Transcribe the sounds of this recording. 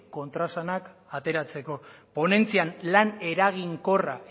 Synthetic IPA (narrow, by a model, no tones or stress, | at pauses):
ko̞nt̪ɾasanakat̪e̞ɾat͡se̞ko̞po̞ne̞nt͡sianlane̞ɾaɣ̞iŋko̞ra̰